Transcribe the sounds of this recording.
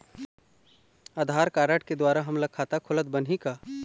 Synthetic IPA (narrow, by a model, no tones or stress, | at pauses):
ad̪ʱaːɾkaːɾəʈ̚ʰked̪waːɾaɦɐmlɐkʰaːt̪akʰʊlət̪̚bɐnɦikaː